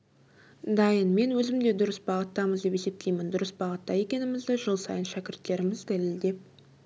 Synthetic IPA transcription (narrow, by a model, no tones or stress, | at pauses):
d̪ɑjənme̞nwɵzɪmd̪e̞d̪ʊɾəsbɑʁət̪ːɑməzd̪e̞pe̞se̞p̚t̪ʰe̞jmɪnd̪ʊɾəsbɑʁət̪ːɑje̞kʲe̞nɪmɪzd̪ɪʒəlˠsɑ̰jənʃækʲɪɾt̪ːe̞ɾɪmɪzd̪ælɪld̪e̞p̚